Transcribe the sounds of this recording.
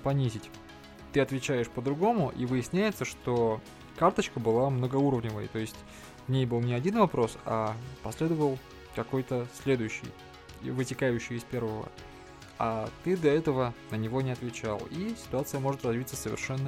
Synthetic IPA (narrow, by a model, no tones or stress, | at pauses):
pɐnʲizʲɪtʲ | t̪ɨɐt̪vʲɪt͡ɕæjɪʂpəd̪ɾʊɡo̞mʊʔivɨjɪsʲnʲæjɪt̪səʂt̪o̞ | kart̪ət͡ɕkəbɨlˠamnəɡɐuɾəvnʲɪvə̰jt̪o̞ɪsʲtʲ | vnʲejbɨlˠnʲɪɐdʲinvɐpɾo̞sapɐsʲlʲe̞d̪əvəlˠ | kɐko̞jt̪əsʲlʲe̞d̪ʊjʉɕːɪ̰j | vɨtʲɪkajʉɕːɪjɪspʲe̞rvəvə̰ | at̪ɨd̪ɐɛt̪əvənənʲɪvo̞nʲɪɐt̪vʲɪt͡ɕa̰lˠisʲɪ̥t̪ʊat̪sɨjəmo̞ʐɨt̪rɐzvʲit̪səsəvʲɪ̰rʂɛnːə